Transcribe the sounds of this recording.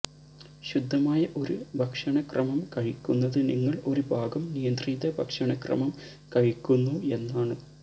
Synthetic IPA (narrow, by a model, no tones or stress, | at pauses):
ɕud̪ʱːɐmaːjɐʔo̞ɾubʱɐkʂɐɳɐkrɐmɐmkɐɻikʲːunːɐðɨniŋːɐɭo̞ɾubʱaːɡɐmnijɐnd̪riːðɐbʱɐkʂɐɳɐkrɐ̰mɐm | kɐɻikʲːunːue̞nːaːɳɨ